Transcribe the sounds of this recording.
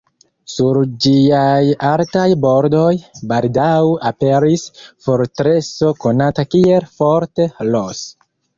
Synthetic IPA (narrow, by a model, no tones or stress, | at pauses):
suɾd͡ʒiajaltajbo̞ɾdo̞jbaldawape̞ɾisfoɾtɾe̞so̞ko̞natakie̞lfo̞ɾte̞los